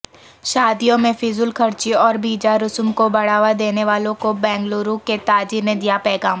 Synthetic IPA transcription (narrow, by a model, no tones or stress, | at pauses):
ʃaːd̪ijõmẽfʰɪzʊlkʰɐɾt͡ʃiɔːɾbʱiːd͡ʒaɾʊsmkobɐɽ̤aːʋad̪eːneʋaːlõkobɛ̃ːŋɡloːɾuket̪aːd͡ʒiɾned̪ijapɛːɡaːm